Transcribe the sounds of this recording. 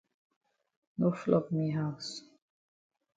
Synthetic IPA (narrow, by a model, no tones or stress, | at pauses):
noflɔbmiɦaʊs